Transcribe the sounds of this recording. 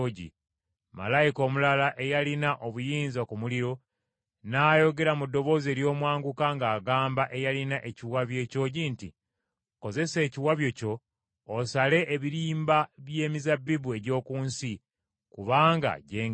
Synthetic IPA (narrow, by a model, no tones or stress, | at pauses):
ɟḭ | ma̰lajiko̞ːmulalaʔe̞jalinaʔo̞βujiːnzakumuliɾo̞ | naːjo̞ɡe̞ɾamudːo̞βo̞ːze̞ːɾjo̞ːmwaːŋɡukaŋɡaːɡaːmbaʔe̞jalinaʔe̞ciwaβje̞ːco̞ɟintḭ | ko̞ze̞se̞ːciwaβjo̞co̞ː | sale̞ʔːβiɾiːmbaβje̞ːmizabːiβue̞ɟo̞ːkuːnsi | kuβaːŋɡa̰ɟeːŋ